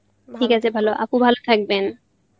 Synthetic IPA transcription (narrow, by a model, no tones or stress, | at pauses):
ʈʰikasʰebʱaloʔa̰pubʱalot̪ʰak̚ben